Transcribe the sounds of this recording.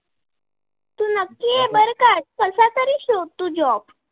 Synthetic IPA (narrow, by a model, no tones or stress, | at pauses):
t̪uːnəkːiebəɾkat̚kəsat̪əɾiɕot̪ːuːd͡ʑɔp